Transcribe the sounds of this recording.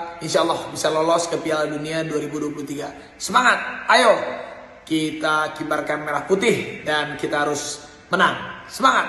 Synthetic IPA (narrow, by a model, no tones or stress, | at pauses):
inʃaəlːɔhbisalɔlɔskəpialduniaduaɾibuduapulut̪iɡa | səmaŋat̪̚ajo | kit̪akibarkanmeɾahput̪ɪhdankit̪aɦaɾʊs | mənansəmaŋa